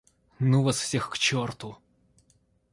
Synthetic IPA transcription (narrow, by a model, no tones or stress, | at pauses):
nuʋɐsw̥sʲɛxkt͡ʃɔrt̪ʊ